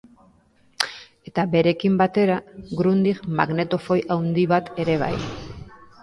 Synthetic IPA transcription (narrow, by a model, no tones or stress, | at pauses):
e̞t̪abe̞ɾe̞kimbat̪e̞ɾaɡɾund̪iɣma̰ɣne̞t̪o̞fo̞jawnd̪iβat̪e̞ɾe̞β̞a̰j